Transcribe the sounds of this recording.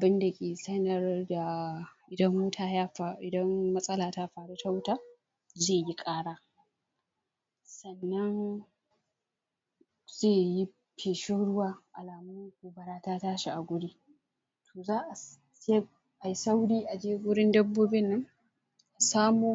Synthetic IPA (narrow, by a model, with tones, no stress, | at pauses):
ʔa˨bɪ˦nda˨kʲʼeː˨sɐ˦nɐ˨rda˨ | ɪ˨dɐ˦mmʊ˦tʰaː˨ja˦a˨ɪ˨dɐ˦nmɐ˦sʼɐ˦laː˨taː˦ɸaː˨ɽe˦ta˦wtaː˦ | zeː˦˨ji˦kʼaː˦ɽaː˦ | sɐ˨nːɐ˦n | z̥eː˦˨ji˦ | pʰeː˨ʃʊ˦ɽʊ˦waː˦ʔa˨laː˨mʊ˦m˦kuː˨bɐ˨ɽaː˦taː˦taː˦ʃi˨ʔa˨ɡʷʊ˦ɽiː˦ | tʰoː˨zaː˦ʔa˨ | se˦ | ʔa˨ji˦sa˦wɽiː˦ʔa˨d͡ʒeː˦ɡʷʊ˦ɽɪ˦ndɐ˦bːoː˦bɪ˦nːɐ˦ŋ | ʔa˨saː˦muː˦